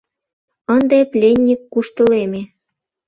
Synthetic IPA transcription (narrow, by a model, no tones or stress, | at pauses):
ənd̪eplʲenʲːikːuʃt̪əleme